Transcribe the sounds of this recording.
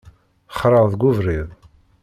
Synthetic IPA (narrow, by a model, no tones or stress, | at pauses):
χɾˤəʁðɡʷʊvɾiðˤ